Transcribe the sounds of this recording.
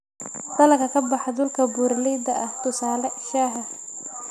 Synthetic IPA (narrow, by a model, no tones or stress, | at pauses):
d̪ɐlɐkʰɐkʰɐbɑħɑd̪ʊlkʰɐbuːɾlɛjd̪ɐʔɐht̪ʰʊsaːlɛʃaːɦɐ